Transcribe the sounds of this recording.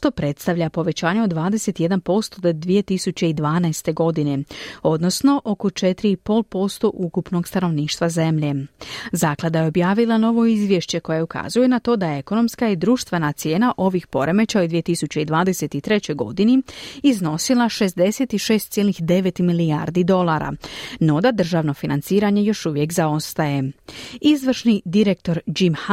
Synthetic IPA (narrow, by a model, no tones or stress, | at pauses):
ʃt̪o̞pɾe̞t̪st̪aʋʎapo̞ʋe̞t͡ɕaːɲeod̪ʋaːd̪ese̞t̪ije̞d̪anpo̞st̪o̞d̪od̪ʋije̞t̪isut͡ɕe̞id̪ʋaːnaest̪e̞ɡo̞d̪ine̞o̞d̪no̞sno̞ʔo̞ko̞t͡ʃe̞t̪ɾiipo̞lˠpo̞st̪o̞ʔukupno̞ɡst̪ano̞ʋniːʃt̪ʋaze̞mʎe̞zaːklˠad̪ajeo̞bjaːʋilˠano̞ʋo̞izʋje̞ʃt͡ɕe̞ko̞jaeuka̰zujenat̪o̞ːd̪ajeeko̞no̞mskaid̪ɾuːʃt̪ʋe̞nat̪sje̞ːnaʔo̞ʋixpo̞ɾe̞me̞t͡ɕaod̪ʋije̞t̪isut͡ɕe̞id̪ʋaːd̪e̞se̞t̪it̪ɾe̞t͡ɕo̞jɡo̞d̪iniizno̞silˠaʃe̞sd̪e̞se̞t̪iʃe̞ːst̪sjelixd̪e̞ʋet̪milia̰ɾd̪id̪o̞lˠaɾa̰no̞d̪ad̪r̩ʒaʋno̞finant̪siːɾaɲe̞jo̞ʃuʋje̞kzao̞st̪aje̞izʋr̩ʃnid̪iɾek̚t̪o̞ɾd͡ʑimh